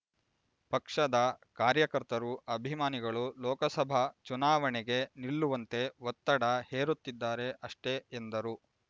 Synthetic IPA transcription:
pɐkʂɐd̪ɐkaːɾjɐkɐɾt̪ɐɾuʔɐbʱimaːniɡɐɭulɔːkɐsɐbʱɐt͡ʃunaːʋɐɳeɡe̞niɭːuʋɐnt̪e̞ʋot̪ːɐɽɐheːɾut̪ːid̪ːaːɾe̞ʔɐʂʈe̞ːnd̪ɐɾu

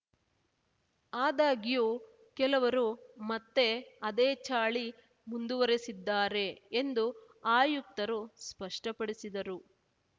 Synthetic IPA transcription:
aːd̪aːɡijuː | kɛlɐʋɐɾumɐt̪ːe̞ɐd̪eːt͡ʃaːɭi | mund̪uʋɐɾesid̪ːaːɾe̞ːnd̪u | aːjuk̚t̪ɐɾuspɐʂʈɐpɐɽisid̪ɐɾu

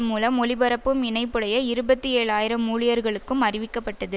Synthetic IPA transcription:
mːuːlɐmɔɭɪbɐɾɐpːɯmɪnɐɪpːɯɽɐjɐɪɾɯbɐt̪ːɯeːɭaːjɪɾɐmuːɭɪjɐɾɣɐɭɯkːɯmɐrɪʋɪkːɐpːɐʈːɐðɯ

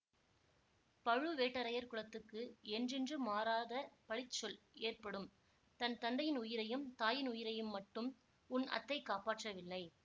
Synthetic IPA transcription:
pɐɻɯʋeːʈːɐɾɐjɐɾkɯɭɐt̪ːɯkːɯɛndrɪndrɯmaːɾaːðɐpɐɭɪt͡ʃːɔl | eːrpɐɽɯm | t̪ɐnt̪ɐnd̪ɐjɪnʊjɪɾɐjɯmt̪aːjɪnʊjɪɾɐjɯmːɐʈːɯm | ʊnɐ̰t̪ːɐɪkːaːpaːʈrɐʋɪlːɐɪ

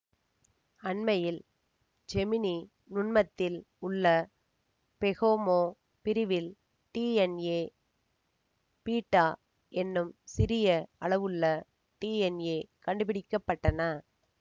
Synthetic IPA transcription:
ɐɳmɐjɪl | d͡ʒɛmɪni | nʊɳmɐt̪ːɪl | ʊɭːɐ | pɛɣoːmoː | pɪɾɪʋɪl | ʈiːɛneː | piːʈːaː | ɛnːɯmsɪɾɪjɐɐɭɐʋɯɭːɐ | ʈiːɛneːkɐɳɖɯpɪɽɪkːɐpːɐʈːɐnɐ

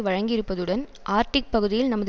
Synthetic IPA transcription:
ʋɐɻɐŋɡɪɾɯpːɐðɯɽɐn | ʔaːɾʈɪk̚pɐɣɯðɪjɪlnɐmːɐð

